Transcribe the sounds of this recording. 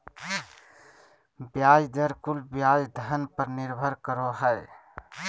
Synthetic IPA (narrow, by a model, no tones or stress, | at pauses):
bjajd̪əɾkulbjajd̪ʱənpəɾniɾbʱəɾkəɾoɦəj